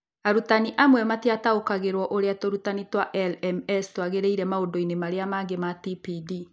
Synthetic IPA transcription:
aɾutaniʔamwɛmatiataokaɣeɾwɔʔoɾeatoɾutanitwaʔɛlɛmɛstwaɣeɾeiɾɛmaodoinemaɾeamaːɡematipidi

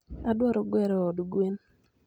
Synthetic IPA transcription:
adwɔɾɔɡwɛɾɔːdɡwen

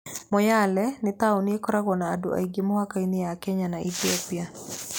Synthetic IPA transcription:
mɔjalɛnɪt̪aʊniekɔɾaɣɔnaːdṵʔa̰iɡemɔhakainɪjakɛɲanaʔḭt̪iopia

